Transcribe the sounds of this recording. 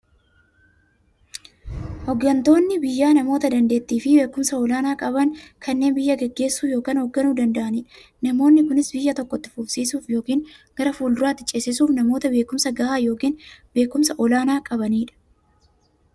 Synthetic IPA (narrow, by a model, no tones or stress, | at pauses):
hɔɡːɐnt̪o̞ːnːɪbɪjːaːnɐmo̞ːt̪ɐd̪ɐnd̪e̞ːt̪ːiːfɪbe̞ːkʊmsɐɔlaːnaːkʼɐβɐŋkʰɐnːe̞ːnbɪjːɐɡɛɡːe̞ːsːuːjo̞ːkaːnhɔɡːɐnuːd̪ɐnd̪ɐʔɐniːᶑɐ | nɐmo̞ːnːɪkʊnɪsbɪjːɐt̪ɔkːɔt̪ːɪ̥fʊbsiːsuːfjo̞ːkiːnɡ̥ɐɾɐfuːld̪ʊɾaːt̪ːɪt͡ʃʼesɪsuːfnɐmo̞ːt̪ɐbe̞ːkʊmsɐɡɐhaːjo̞ːkiːnbe̞ːkːʊmsɐʔɔlaːnaːkʼɐβɐniːᶑɐ̥